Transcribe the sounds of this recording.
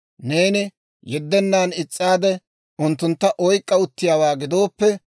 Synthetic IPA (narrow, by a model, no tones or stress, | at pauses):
ne̞ːnɪ | jɛd̪ːɛnːaːnɪt͡sʼːaːd̪ɛ | ʊnt̪ːʊnt̪ːɐʔɔjkʼːɐʊt̪ːɪjaːwaːɡɪd̪o̞ːpːɛ